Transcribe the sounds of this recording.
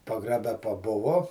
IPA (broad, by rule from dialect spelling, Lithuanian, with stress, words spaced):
pɐɡrɐˈbʲɛ pɐˈbʊʋoː